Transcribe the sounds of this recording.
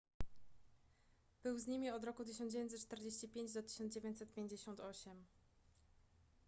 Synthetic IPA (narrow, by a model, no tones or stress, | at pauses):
b̥ɘwzɲimʲiɔd̪ɾɔkut̪̬ɘɕ̬ɔnd͡ʑevj̃nt̪tːt͡ʂt̪ɛɾd͡ʑeɕt͡ɕipʲjeɲd͡ʑd̪ɔt̪ɘ̥ɕɔnd͡ʑevʲjẽɲt̪ʲsɛt̪̚pʲjeɲd͡ʑeɕɔnt̪ɔɕɛm